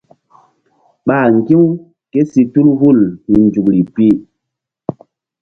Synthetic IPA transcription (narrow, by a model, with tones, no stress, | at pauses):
ɓa˨ŋɡi˦m | ke˦si˨tu˦lvu˦˨lni˨nd͡ʒu˨kɾi˨pi˦